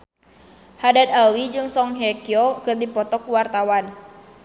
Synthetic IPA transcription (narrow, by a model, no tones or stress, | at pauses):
hadat̪awid͡ʒɨŋsɔŋɦɛkiɔkɨrdipɔt̪ɔkuwart̪awan